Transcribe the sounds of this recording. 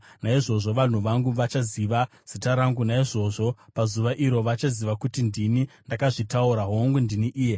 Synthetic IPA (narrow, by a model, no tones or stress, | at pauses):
naiʐo̞ʐo̞ʋan̤uʋaŋɡuʋat͡ʃaziʋa | z̥itaɾaŋɡunaiʐo̞ʐo̞pazuʋaʔiɾo̞ʋat͡ʃaziʋakutindinindakaʐitauɾaɦoŋɡundiniʔiːje̞